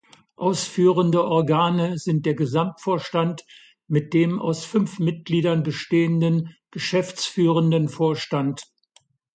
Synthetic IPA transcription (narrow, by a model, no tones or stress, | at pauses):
ʔaʊsfyːʁəndəʔɔɐɡaːnəzɪnt̚d̥eːɐɡəzamtfoːɐʃtant | mɪt̚d̥eːmʔa̰ʊsfʏnfmɪt̚ɡ̥liːdɐnbəʃteːəndənɡ̥əʃɛft͡sfyːʁəndənfoːɐʃtant